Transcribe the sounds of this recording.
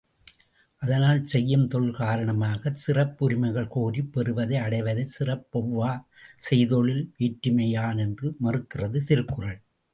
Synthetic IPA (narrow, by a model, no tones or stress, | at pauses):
ʔɐðɐnaːlsɛjːɯmt̪ɔɭkaːɾɐɳɐmaːɣɐsɪrɐpːʊɾɪmɐɪɣɐɭkoːɾipːɛɾɯʋɐðɐɪɐɽɐɪʋɐðɐɪsɪrɐpːɔʋːaː | sɛjðɔɭɪlʋiːʈːɪmɐjaːnɛndrɯmɐrɯkːɪrɐðɯt̪ɪɾɯkːɯrɐɭ